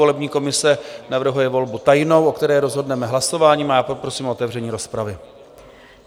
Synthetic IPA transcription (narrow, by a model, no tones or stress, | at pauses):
olɛbɲiːko̞mɪsɛnavr̩ɦujɛvo̞lbut̪ajnowʔo̞kt̪ɛɾɛːɾo̞zɦo̞dnɛmɛɦlaso̞vaːɲiːmajaːpopɾo̞siːmoot̪ɛvrɛɲiːɾo̞spɾavɪ